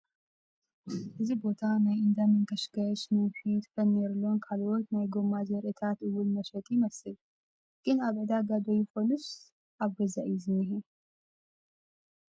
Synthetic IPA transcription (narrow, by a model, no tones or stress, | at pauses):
ʔɨzibo̞t̪ʰanajɨnd̪amɨŋkəʃɡət͡ʃnafit̪fənːeɾlonkʰalwot̪najɡomazɛɾʔɨt̪ʰat̪ɨwʊlməʃɛt̪ʼjɪməsɨl | ɡ̥ɨnaβʕɨd̪aɡad̪ojɪfolus | ʔaβɡəzaʔizɨnːɨɦe